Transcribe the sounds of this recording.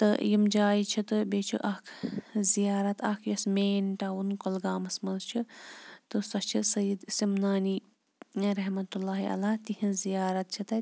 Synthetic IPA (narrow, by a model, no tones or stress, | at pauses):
t̪ɨ̰jimd͡ʒaːit͡ʃʰit̪ɨbeːt͡ʃʰḭʔɐkʰzijaːɾɐt̪ʰɐkʰjɐsmeːnʈaːunkolɡaːmɐsmɐlt͡ʃʰit̪ɨsɐt͡ʃʰisɐjid̪simnaːniː | ɾɐɦmɐt̪ulːaːɦḭɐ̰laːt̪ihĩnzijaːɾɐt̪̚t͡ʃʰit̪ɐ